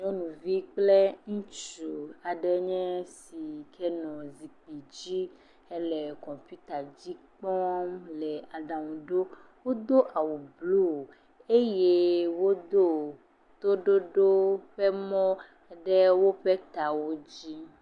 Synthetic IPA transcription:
ɲɔ̃˦nũ˨vi˦k͡plɛ˦ŋũ˦t͡ʃu˨a˨ɖɛ˨˦ɲɛ̃˦si˨kʰɛ˦nɔ̃˨zi˨k͡pi˨d͡ʑi˦ | ɛ˦lɛ˨kɔ̃˨mpi˦t̪a˨d͡ʑi˦k͡pɔ˦mlɛ˨a˨ɖã˨ŋũ˨ɖo˦ | wo˦d̪o˦ʔa˨wu˨blu˦˨ | e˦je˦wo˦d̪o˦ | t̪o˦ɖo˦ɖo˦ɸɛ˦mɔ̃˦ | ɖɛ˦wo˦ɸɛ˦t̪a˨wo˦d͡ʑi˦

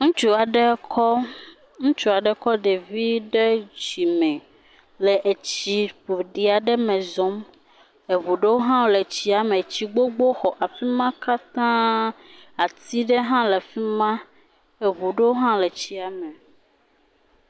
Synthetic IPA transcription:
ŋũ˦t͡ʃu˦a˨ɖe˦kɔ˦ | ŋũ˦t͡ʃu˨a˨ɖɛ˦kɔ˦ɖe˨vi˦ɖe˦d͡ʒi˨mɛ̃˨ | le˨ʔe˨t͡ɕi˨ɸu˨ɖi˨a˨ɖɛ˦mɛ̃˨zɔ˦m | e˨βu˨ɖe˦wo˦ɦã˦wo˦le˨t͡ɕi˦a˨mẽ˨t͡ɕi˨ɡ͡bo˦ɡ͡bo˦xɔ˨ʔa˨fi˦mã˦ka˦t̪ã˦ | a˨t̪i˦ɖe˦ɦã˦le˨fi˦mã˦ | e˨βu˨ɖe˦wo˦ɦã˦le˨t͡ɕi˦a˨mẽ˨

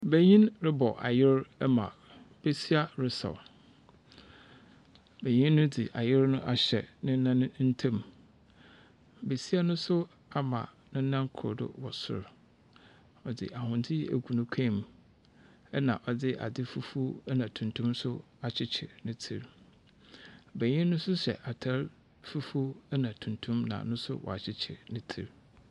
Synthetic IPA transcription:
be˨ɲĩ˦nɾɪ˦bɔ˨ʔa̰˨jɪ˦ɾɛ˦mã˨ | b̥e˦si˦a˦ɾɪ˨sa̰˨w | bæ˨ɲĩ˦nːʊ̃˦di˨ʔa˨jɪ˦ɾnʊ̃˦ʔa˨ɕɛ̰˨nɪ̃˦n˦nã˦ñ˦n̩˦tʰɛ̃˦m | be˨si˦a˦nʊ̃˦sʊ˦ | a˦mã̰˨ | nʊ̃˦n̩˦nã˦ŋ˦kʰʊ̰˨ɾdʊ̰˦wɔ˨sʊ̰˨ɾ | ɔ˨dɪ̰˦˨ʔa˨hʊ̃˨ntʰɪ˦ḛ˨kʷu˨nʊ̃˦kʰɛ̃˦˨m | ɛ˦nã˨ʔɔ˨dɪ˦ʔa̰˨dɪ˦fu˦fu˦nã˨tʰũ˨ntʰũ˦msʊ˦ | a˨t͡ɕʰɪ˦t͡ɕʰɪ̰˨nɪ̃˦tʰi˨ɾ | bæ˨ɲɪ̃˦nʊ̃˦sʊ˦ɕɛ̰˨ʔa˨tʰa˦ɾ | fu˦fu˦ɛ˦nã˨tʰũ˨ntʰũ˦mnã̰˨nʊ̃˦sʊ̰˦wɔ̰˨a˨t͡ɕʰɪ˦t͡ɕʰɪ̰˨nɪ̃˦tʰḭ˨ɾ

